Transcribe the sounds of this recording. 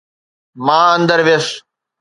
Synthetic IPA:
maːɐnd̪əɾʋes

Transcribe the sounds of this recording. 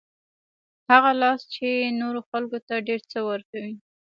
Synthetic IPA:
haɣalɑst͡ʃenoɾoxalkot̪aɖeɾt͡səwəɾkawi

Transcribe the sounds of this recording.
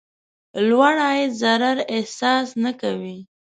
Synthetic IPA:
lwaɽajezaɾaɾehsɑsnakawi

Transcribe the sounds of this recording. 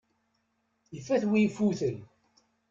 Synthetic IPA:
əfːæθwijfuθəl

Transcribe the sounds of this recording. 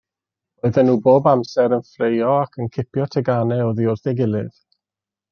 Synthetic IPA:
oɨðɛnːuːboːbamsɛɾənfrejɔakʰənkʰɪpʰjɔtʰɛɡanɛoðiʊrθɛɡɪlˠɨð̥

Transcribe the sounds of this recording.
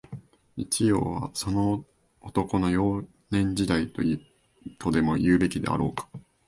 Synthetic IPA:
it͡ɕijo̞̰ːβ̞a̰so̞no̞ | ot̪o̞ko̞no̞jo̞ː | nẽ̞ɲ̟d͡ʑid̪ait̪o̞ji | t̪ʰod̪e̞mo̞jɯ̟ːbe̞kʲid̪e̞̰a̰ɾo̞̰ːkḁ

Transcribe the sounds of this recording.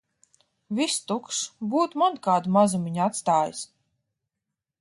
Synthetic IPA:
vʲist̪ukʃbuːt̪mankaːd̪mazumiɲat̪st̪aːjḭs

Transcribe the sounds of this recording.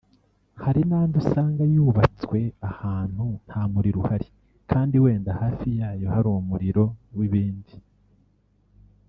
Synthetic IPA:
haɾinaːndusaːŋɡajuːβat͡swe̞ahaːn̥hun̥haːmuɾiɾuhaɾi | kʰaːndiwe̞ːndahaːfijaːjo̞haɾuːmumuɾiɾo̞wiβiːndi

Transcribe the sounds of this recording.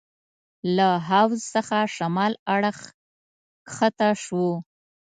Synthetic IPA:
laɦawzsəxaʃamɑlaɽəx | xət̪aʃwo

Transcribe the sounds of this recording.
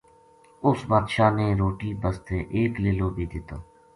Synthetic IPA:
ʊsmaːt̪ʃaːneːɾoːʈiːbəst̪eːʔeːkleːlõːbʱiːd̪ɪt̪oː

